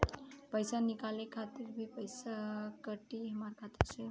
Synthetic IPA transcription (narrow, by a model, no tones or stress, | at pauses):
pʌjsanikalekʰat̪iɾbʱipəjsakəʈiɦʌmarkʰat̪iɾt͡sʰej